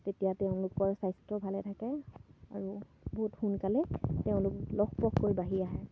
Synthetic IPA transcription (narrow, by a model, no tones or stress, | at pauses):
tetijatɛʊ̃lʊkɔɹsajstɔbʱalɛtʰakɛa̰ɹu | boɦutxunkalɛteʊ̃lʊklɔkpɔkkːojbaɦiaɦɛ